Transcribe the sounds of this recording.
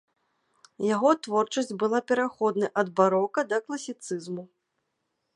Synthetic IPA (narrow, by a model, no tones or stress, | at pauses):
jaɣɔt̪vɔrt͡ʂɐsʲt͡sʲbɨlˠapʲɛɾaxɔd̪nɐjʔɐd̪baɾɔkɐd̪ɐklˠɐsʲit̪sɨzmu